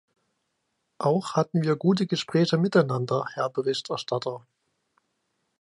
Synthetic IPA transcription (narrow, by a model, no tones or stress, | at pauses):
ʔaʊxhatn̩viːɐɡuːtəɡəʃpʁ̥ɛːçəmɪtaɪnandɐhɛɐbəʁɪçtɛɐʃtʰatʰɐ